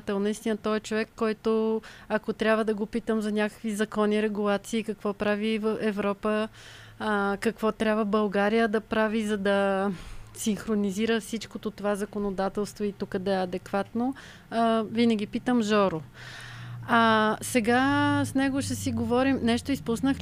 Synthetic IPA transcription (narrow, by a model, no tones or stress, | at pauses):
t̪ɛlˠnɐist̪inət̪ɔɛt͡ʃovɛkːɔjt̪oɐkot̪ɾʲabvəd̪ɐɡopit̪əmzɐnʲakə̥kvizɐkɔniɾɛɡulˠat̪siːkɐkvɔpɾavivəfɛvɾɔpə | kɐkvɔt̪ɾʲabvəbɐlˠɡaɾijəd̪ɐpɾavizɐd̪ɐ | sinxɾoniziɾəfsit͡ʃkot̪ot̪ovazɐkonod̪at̪ɛlˠst̪voit̪ukəd̪ɐɛɐd̪ɛkvat̪no | vinəɡ̟ʲipit̪əmʒɔɾo | asɛɡasnɛɡoʃt̪ɛsiɡovɔɾimnɛʃt̪oispusnəx